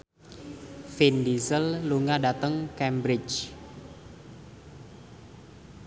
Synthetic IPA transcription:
findisəlluŋadat̪əŋkɛmbɾɪt͡ʃ

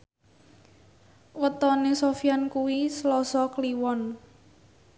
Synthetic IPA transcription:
wət̪ɔnesofijankuwislɔsɔkliwɔn

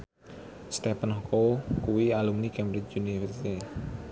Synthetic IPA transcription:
st̪epənhɔkokuwialumnikɛmbɾɪt͡ʃunifərsit̪e

